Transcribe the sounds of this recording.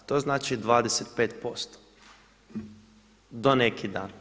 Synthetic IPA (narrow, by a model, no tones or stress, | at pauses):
t̪oːznaːt͡ʃid̪ʋaːd̪eset̪̚peːt̪post̪o̥ | d̪onekʰid̪a̰ːn